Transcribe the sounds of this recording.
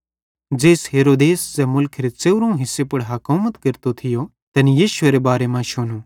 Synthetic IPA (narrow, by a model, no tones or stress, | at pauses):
d͡ʒeːsɦeːɾoːd̪eːssɛmʊlkʰɾet͡seʊɾõɦɪsːepɐɽɦɐkoːmət̪kɐɾt̪ot̪ʰɪjo | t̪ɛnijiːʃʊeɾebaːɾemãʃʊnu